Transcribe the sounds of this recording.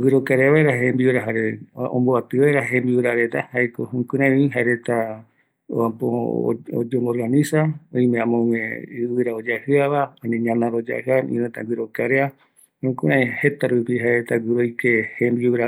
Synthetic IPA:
ɡɨɾokaɾeaβaeɾaɦembiuɾaɦaɾeõ̰mboat̪ɨβaeɾaɦembiwɾaɾet̪ahajkohũkɨ̃ɾãĩĩɦaeɾet̪a | apo̰o̰d͡ʒomoɾɡanĩsaõĩmẽãmõŋẽɨwɨɾaod͡ʒahɨaβaaɲẽɲãnãɾod͡ʒa̰haḭ̃nẽt̪a̰ŋɡɨɾokaɾea | ũkũɾʔãjhet̪aɾupiɦaeɾet̪aɡɨɾojkehembiuwɾa

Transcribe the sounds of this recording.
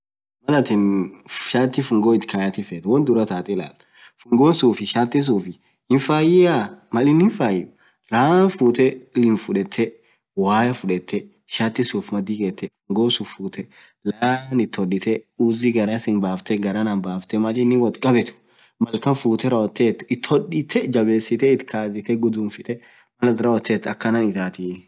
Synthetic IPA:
mɐlɐt̪ɪnʃaːt̪ːɪfʊŋɡoːɪt̪kʰajɐt̪ɪfɛt̪wɐnd̪ʊɾɐt̪aːt̪ʼɪla̰ːlɐ̥ | fʊŋɡoːnsuːfɪʃaːt̪ːɪs̬uːfɪ | ɪnfaːjɪamɐlɪnːɪnfaːjɪ | ɾaːnfuːt̪ɛlɪnfʊᶑɛt̪ʰːɛ | waːjɐfʊᶑɛt̪ʰːɛ | ʃaːt̪ːɪsuːfmɐd̪iːkeːt̪ːɛɐŋɡoːsuːfːuːt̪ɛ | laːnɪt̪ːɔᶑɪt̪ɛuːzɪɡɐɾasɪnbaːft̪ɛɡɐɾananbaːft̪ɛmɐlɪnːɪwɐt̪kʼɐbɛt̪ʊ̥ | mɐlkɐnfuːt̪ɛɾɐɔt̪ːeːt̪ːʊ̥ɪt̪ːhɔᶑɪt̪ʰɛd͡ʒɐbe̞ːsɪt̪ɛɪt̪kʰaːzɪt̪ɛɡʊd̪uːnfɪt̪ʼɛ | mɐlɐt̪ɾɐɔt̪ːeːt̪ːɐkːɐnɐnɪt̪aːt̪i

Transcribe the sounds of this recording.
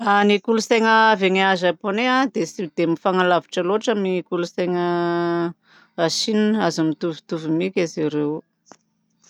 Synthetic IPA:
anikulusejŋəaveŋiazaponead̪esid̪̥emifaŋalavi̥ʈ͡ʂəloʈ͡ʂamikuluseŋə | aʃininəazamit̪uvu̥t̪uvimikʲaziɾew

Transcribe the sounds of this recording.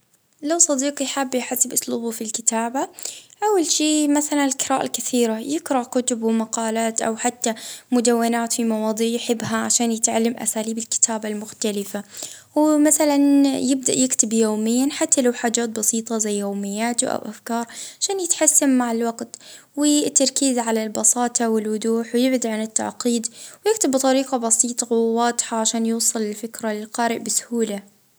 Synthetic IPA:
lawsˤɑd̪iːqjħabːjħasːɪbʔʊsˤluːbʊfilkɪt̪aːbaʔawːalʃeːmaθalanɪlqɪɾˤaːʔa̰lkaθiːɾajɪkɾˤɑkʊt̪ʊbwmaqɑːlaːt̪ʔa̰wħat̪ːamʊd̪awːɪnaːt̪fimɑwɑːd̪ˤiːʕjħɪbːɦaʕaʃaːnjɪt̪ʕalːamʔa̰saːliːbɪlkɪ̥t̪ʰaːbalmʊxt̪alɪfa | wmaθalanjɪb̚d̪a̰ʔjɪkt̪ɪbjoːmɪjːanħat̪ːalawħaːd͡ʒaːt̪̚bɑsiːt̪ˤɑzajːajoːmɪjːaːt̪ʊʔa̰wʔafkɑːɾˤʕaʃaːnjɪt̪ħasːammaʕɪlwaɡt̪ | wɪt̪ːɑɾˤkiːzʕalalbɑsɑːt̪ʰˤɑwɪlwʊd̪uːħwjɪbd̪iʕanɪt̪ːa̰ʕqiːd̪wjɪkt̪ɪbːt̪ˤɑɾiːqɑbɑsiːt̪ˤɑwwɑːd̪ˤħaʕaʃaːnjuːsˤɨlɪlfɪkɾalɪlqɑːɾɪʔbɪsʊ̥huːla

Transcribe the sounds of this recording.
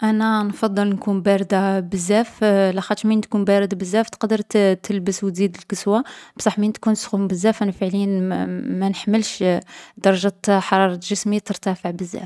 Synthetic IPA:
ʔænænfɑd̪ˤːəlnkunbæɾəd̪abəzːæflæxæt̪ɾmint̪̚kunbæɾəd̪abəzːæft̪qd̪əɾˤt̪t̪əlbəswt̪zid̪əlkəswab̥sˤɑħmint̪kunsxumbəzːæfʔænæfəʕləjənmænəħməlʃd̪ɑɾˤɑʒæt̪ħɑɾˤɑɾˤɑʒəsmit̪əɾt̪æfəʕbəzːæ̰f

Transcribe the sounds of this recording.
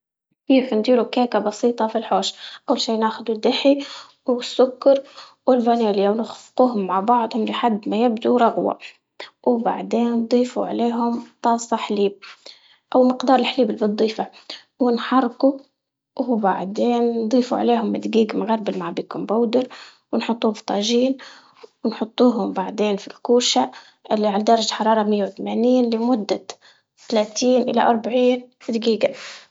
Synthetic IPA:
kiːfnd̪iːɾukaːkabɑsˤiːt̪ˤɑfilħoːʃʔawːalʃiːnaːxʊd̪ud̪ːɪħi | wɪsːʊkːɑɾˤ | wɪlvæneːlijawnʊxfquːɦʊmːaʕbɑʕd̪ˤhʊmlɪħad̪ːmæjɪbd̪uɾˤɑɣwa̰ | wba̰ʕd̪eːnd̪ˤiːfṵʕleːɦʊmt̪ˤɑːsˤɑħliːb̚ | ʔawmɪqd̪ɑːɾˤɪlħliːbɪlbɨd̪ˤːiːfa | wɪnħɑrˤːku | ba̰ʕd̪eːnːd̪ˤiːfṵʕa̰leːɦʊmːɪd̪ɡiːɡmɣaɾˤbɪlmaʕbiːkʊmbawd̪ɪɾ | wɪnħʊt̪ˤːuːft̪ˤɑːʒiːn | wɪnħʊt̪ˤːuːɦʊmbaʕd̪eːnfilkuːʃa | ʔɪlːiʕalad̪ɑɾˤɑd͡ʒħɑɾˤɑːɾˤɑmɪjːawɪt̪amaːniːnlɪmʊd̪ːa | t̪alaːt̪iːnʔɪla̰ʔɑɾˤbaʕiːnmɪd̪ɡiːɡa

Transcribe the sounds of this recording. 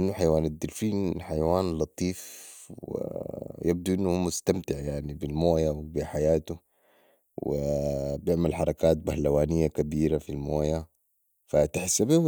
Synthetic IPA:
ʔinːuħajwaːnad̪ːilfiːnħajawaːnlɑt̪ˤiːfwḭjab̚d̪uʔinːuhuːmʊst̪amt̪ɪʕjaʕnibilmoːjawbiħajaːt̪u | wḭbjɪʕmalħɑɾˤɑkaːt̪̚bahlawaːnijːakabiːɾafilmoːja | fat̪ɪħsːabih

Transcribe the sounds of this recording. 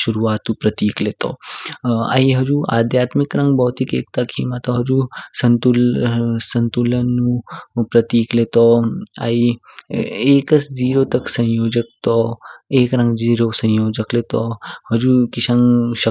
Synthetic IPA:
ʃuɾuʋaːt̪ũpɾɐt̪iːklet̪o̰ | a̰ːiɦɐd͡ʒuʔa̰ːd̪ʱjaːt̪mɪkɾɐ̃ŋɡbɔɦt̪ikeːk̚t̪akʰiːmat̪oɦɐd͡ʒusənt̪ulsə̃nt̪ulənːũpɾɐt̪iːklet̪oa̰ːi | eːkəsd͡ʒiːɾot̪ɐksɐ̃jjoːd͡ʒək̚t̪oeːkɾɐ̃ŋɡd͡ʒiːɾosɐ̃jjoːd͡ʒəklet̪ohɐd͡ʒuːkɪʃɐ̃ŋɡʃə

